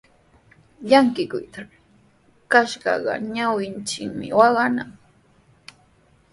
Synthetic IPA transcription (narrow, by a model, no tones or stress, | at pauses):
ʎaŋkɪkʊ̰jt̪a | kaʃɢɑ̰ɢɑ̰ɲawɪnt͡ʃɪkmɪ̰wɑɢɑnaŋ